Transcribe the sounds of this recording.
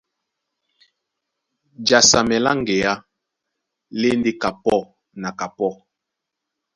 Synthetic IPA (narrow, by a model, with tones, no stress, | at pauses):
d͡ʒa˨sa˨mɛ˨la˦ŋɡe˨a˦ | le˦nde˦ka˨pɔ˦˨ | na˨ka˨pɔ˦˨